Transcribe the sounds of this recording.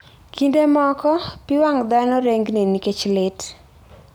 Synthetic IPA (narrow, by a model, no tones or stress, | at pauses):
kindemɔkɔpiwaŋd̪anɔɾeŋɡniniket͡ʃlɪt